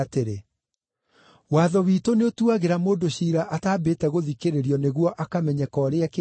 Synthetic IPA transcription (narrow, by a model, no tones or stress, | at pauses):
teɾe | waːðɔwiːtoneotuaɣeɾamoːndoɕiːɾaʔataːbetɛɣoðikeɾeɾiɔneɣwɔʔakamɛɲɛkɔɾeak